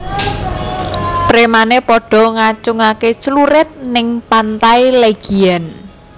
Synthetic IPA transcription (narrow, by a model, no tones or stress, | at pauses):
pɾemanepɔɖ̥ɔ̤ŋat͡ʃʊŋaket͡ʃluɾɪt̪̚nɪŋpant̪aileɡ̥iɛn